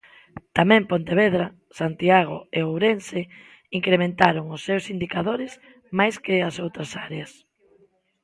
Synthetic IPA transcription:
t̪amɛ̃mpont̪eβeðɾa | sant̪iaɣ̞o̰eowɾense | iŋkɾemẽnt̪aɾoŋʊsːewsind̪ikaðoɾɪs | majskɪasowt̪ɾɐsaɾeas

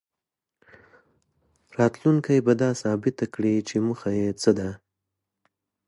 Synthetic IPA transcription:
ɾɑt̪luŋkajbad̪ɑsɑbɪt̪akɽit͡ʃemuxajet͡səd̪a

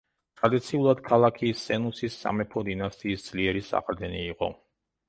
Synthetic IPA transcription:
t̪ʰʼɾad̪it̪sʰiulˠad̪̥kʰalˠakʰiːsɛnusisːa̰mɛpʰɔd̪inast̪ʼiːsd̪z̥liɛɾisa̰χɾd̪ɛniːqʼɔ̰

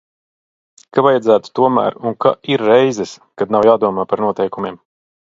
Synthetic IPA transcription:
kavajad̪zæːt̪u̥t̪uɔmæ̰ːɾunka̰ʔiɾːɛjzɛskad̪̚nawjaːd̪uɔmaːpaɾnuɔt̪ɛjkumʲiːm

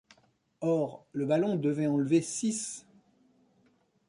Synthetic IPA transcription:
ɔʁləbalɔ̃d̪əvɛ̃ɑ̃lvesis

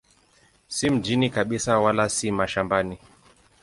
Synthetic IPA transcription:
sim̩d͡ʒinikaɓisawalasimaʃambani

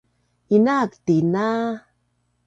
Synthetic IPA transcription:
inakt̪ina

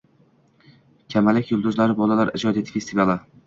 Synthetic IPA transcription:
kʲʰamalɪkʲjʊlˠd̪ʊzlaɾɪbɒlalaɾɪd͡ʒɒd̪et̪ʰfʲest̪ivala

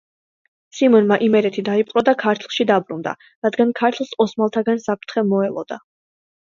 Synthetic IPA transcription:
simɔnmaʔimɛɾɛt̪ʰid̪aipʼqʼɾɔd̪akʰaɾt̪ʰlˠʃid̪abɾund̪a̰ | ɾad̪ɡankʰaɾt̪ʰlˠsɔsmalˠt̪ʰaɡansapʰɾt̪ʰχɛmɔɛlˠɔ̰d̪a̰

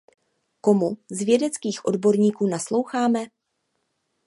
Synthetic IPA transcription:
ko̞muzvjɛdɛt͡skiːxʔo̞dbo̞ɾɲiːkuːnaslo̞wxaːmɛ

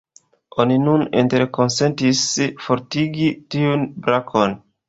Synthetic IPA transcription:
oninuninteɾko̞nsentisfo̞ɾtiɡitiunbɾakʰon

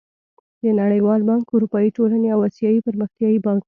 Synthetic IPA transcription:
d̪ənaɽəjwɑlbɑŋkʊɾupɑiʈolaneawasjɑipəɾməxt̪jɑibɑŋk

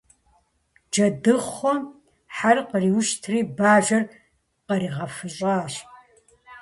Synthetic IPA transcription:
d͡ʒɐdɨχʷɔ | ħarqəriːwʊʃtʰriːbaːʒɐr | qɐɾiːʁɐfɨɕʼaːɕ

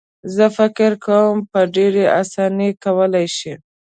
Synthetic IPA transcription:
zəfɪkɪɾkʰawəmpəɖeɾeʔasɑnikawəlajʃi

